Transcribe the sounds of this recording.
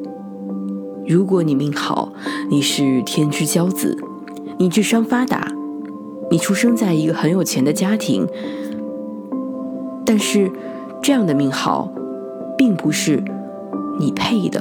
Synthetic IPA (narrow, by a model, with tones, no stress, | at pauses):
ɻu˧˥kwɔ˧˥ni˨˩mi˥˩ŋxɑ̰˨˧˩ʊni˨˩ʂɻ̩˥˩t̪ʰjɛ˥nt͡ɕy˥t͡ɕjɑ˥ʊt͡sɹ̩̰˨˩˦ | ni˨˩t͡ɕy˥˩ʂwɑ˥ŋfa˥t̪a̰˨˩˦ | ni˨˩ʈ͡ʂʰu˥ʂɤ˥ŋt͡sa˥˩ɪi˧˥ɡə˧xə˧˥njo˨˩ʊt͡ɕʰjɛ˧˥nd̪ə˧t͡ɕja˥t̪ʰḭ˧˥ŋ | t̪a˥˧nʂɻ̩˥˧ | ʈ͡ʂɤ˥˧jɑ˥˩ŋd̪ə˩mi˥˩ŋxɑ̰˨˩ʊ | pi˥˩ŋpu˧˥ʂɻ̩˥˩ | ni˨˩pʰe˥˩ɪd̪ə̰˩